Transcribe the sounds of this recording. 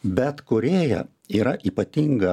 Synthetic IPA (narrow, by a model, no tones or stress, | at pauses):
bʲɛt̪kʊɾʲeːjɛ̰ | iːɾɐʔiːpɐt̪ʲiŋɡɐ